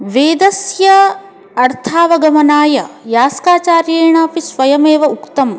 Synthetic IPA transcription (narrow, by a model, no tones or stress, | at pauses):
ʋeːd̪ɐsjɐ | ɐɾt̪ʰaːʋɐɡɐmɐnaːjɐjaːskaːt͡ʃaːɾjeːɳaːpisʋɐjɐmeːʋɐukt̪ɐm